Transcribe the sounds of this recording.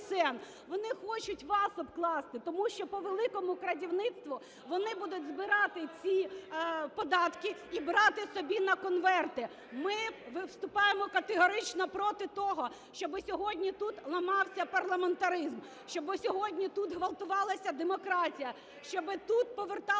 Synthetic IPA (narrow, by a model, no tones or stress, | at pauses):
sɛn | ʋɔnɪxɔt͡ʃʊtʲʋɑsɔbklˠɑst̪ɪt̪ɔmuʃt͡ʃɔpɔʋelˠɪkɔmʊkɾɐdʲiwnɪt̪st̪ʋʊ | ʋɔnɪbud̪ʊtʲzbɪɾɑt̪ɪt͡sʲi | pɔd̪ɑt̪kɪibɾɑt̪ɪsɔbʲinɐkɔnʋɛrt̪ɪ | mɪʋɪwst̪ʊpɑjemɔkɐt̪eɦɔɾɪt͡ʃnɐpɾɔt̪ɪt̪ɔɦɔ | ʃt͡ʃɔbɪsʲɔɦɔdʲnʲit̪ut̪lˠɐmɑwsʲɐpɐrlˠɐment̪ɐɾɪzm | ʃt͡ʃɔbɪsʲɔɦɔdʲnʲit̪ut̪ɦʋɐlˠt̪ʊʋɑlˠɐsʲɐd̪emɔkɾɑtʲijɐ | ʃt͡ʃɔbɪt̪ut̪̚pɔʋert̪ɑ